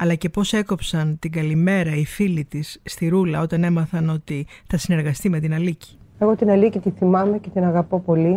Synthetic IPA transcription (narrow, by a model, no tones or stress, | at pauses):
ɐlɐce̞po̞se̞ko̞psɐnt̪iɡɐlime̞ɾɐifilit̪isːt̪iɾulɐo̞t̪ɐne̞mɐθɐno̞t̪iθɐsine̞ɾɣɐst̪ime̞t̪inɐlici̥ | e̞ɣo̞t̪inɐlicit̪iθimɐmecet̪inɐɣɐpo̞po̞li